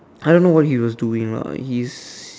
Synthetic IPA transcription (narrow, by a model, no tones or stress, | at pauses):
aɪɾõːnːowɔthiwɔzduːɪ̃ŋ̰hiz̥